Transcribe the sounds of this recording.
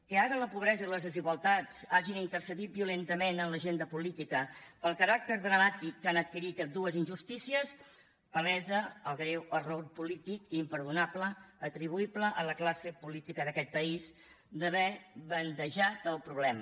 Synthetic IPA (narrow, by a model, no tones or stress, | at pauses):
kəaɾələpuβ̞ɾɛzəiləzðəziɣwəlˠt̪at͡saʒinint̪əɾsəðit̪̚biulent̪əmenəmləʒend̪əpulit̪ikəpəlˠkəɾak̚t̪əɾðɾəmat̪ikːanət̪̚kiɾit̪əd̪uəzinʒust̪isiəs | pəlɛzəəlˠɣɾɛwərorpulit̪ikːmpəɾðunapləːt̪ɾiβ̞uipləʔələklasəpulit̪ikəðəkɛt̪̚pəiz | d̪əβɛβənd̪əʒat̪əlˠpɾuβlɛmə